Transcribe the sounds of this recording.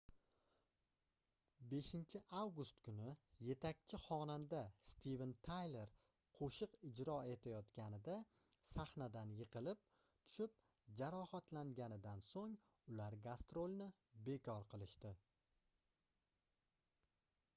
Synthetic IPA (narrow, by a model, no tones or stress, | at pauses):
be̞ʃɪnt͡ʃʰɪʔawɡʊst̪kʰʊnɪje̞t̪ʰakʲt͡ʃʰɪχɒnand̪ast̪ʰivent̪ʰajlˠe̞ɾ | qʰoʃɨqɪd͡ʒɾɒe̞t̪ʰajɒt̪kʲanɪd̪asaχnad̪anjɨqʰɨlɪp̚ | t̪ʰʊ̥ʃɪp̚ | d͡ʒaɾɒhat̪laŋɡʲanɪd̪ansoŋ | ʊlaɾɡast̪ɾolnɪ | be̞kʲʰɒɾqʰɨlˠɪʃt̪ɪ